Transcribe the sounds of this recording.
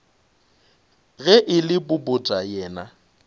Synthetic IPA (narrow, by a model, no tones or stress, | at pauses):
ɣɛʔɪlɪbʊbʊtʼajɛːna